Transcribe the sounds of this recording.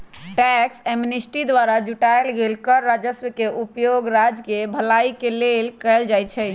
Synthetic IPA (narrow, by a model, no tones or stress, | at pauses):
ʈɛkseminisʈid̪ʋaɾad͡ʒuʈaelɡelkəɾːad͡ʒəswəkeʔupjoɡɾad͡ʒkebʱəlaikelelkɛld͡ʒajt͡ʃʰɛ